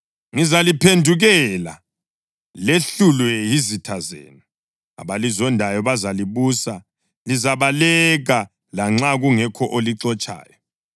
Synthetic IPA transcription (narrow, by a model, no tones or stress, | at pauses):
ŋizalipʰendʱuɣɛla | leɬulwɛjizitʰazḛːni | a̰βalizɔndʱajɔβazaliβusa | lizaβalɛɣa | laŋ͡ǁaɣuŋɛkʰɔʔoliǀɔt͡ʃʼa̰ːjɔ